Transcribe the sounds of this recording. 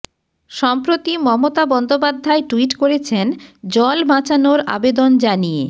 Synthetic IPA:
ʃɔmpɾot̪imɔmot̪abɔnd̪opad̪ʱːaeʈuiʈkoɾet͡ɕʰend͡ʑɔlbʱãt͡ɕanoɾa̰bed̪ond͡ʑanije

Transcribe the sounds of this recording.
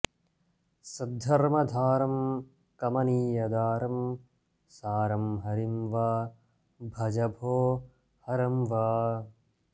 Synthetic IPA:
sɐd̪ʱːɐɾmɐd̪ʱaːɾɐm | kɐmɐniːjɐd̪aːɾɐm | saːɾɐmɦɐɾimʋaː | bʱɐd͡ʒɐbʱoː | hɐɾɐmʋaː

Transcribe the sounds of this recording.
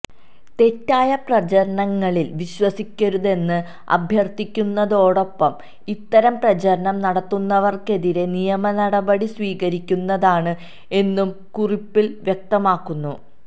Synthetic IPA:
t̪e̞tːaːjɐprɐt͡ɕɐɾɐɳɐŋːɐɭilʋiɕwɐsikʲːɐɾuðe̞nːɨ | ɐ̰bʱjɐrt̪ikʲːunːɐðo̞ːɽo̞pːɐm | it̪ːɐɾɐmprɐt͡ɕɐɾɐɳɐmnɐɽɐt̪ːunːɐʋɐrke̞ðiɾe̞nijɐmɐnɐɽɐbɐɽisʋiːɣɐɾikʲːunːɐðaːɳɨ | e̞nːum | kuripːilʋjek̚t̪ɐmaːkːunːu

